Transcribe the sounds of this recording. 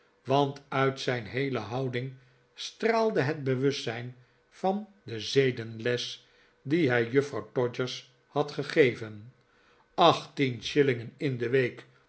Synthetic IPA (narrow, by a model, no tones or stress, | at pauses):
ʋɑntœɥtsɛjnɦejləɦɑwdɪŋ | straːlˠdəɦəd̚bəʋɵstɛjn | vɑnd̪əzejdənlɛs | diɦɛjjɵfrɑwtɔd͡ʒəɹs | hɑtχəχejvən | ɑχtinʃɪlɪŋənɪndəʋejk